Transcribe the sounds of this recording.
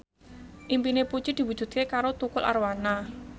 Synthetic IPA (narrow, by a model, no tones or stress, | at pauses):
ʔimpinepu̥t͡ʃid̪̥i̤wu̥d͡ʒ̥ṳd̪̥̚kekaɾot̪ukʊlʔa̰ɾwana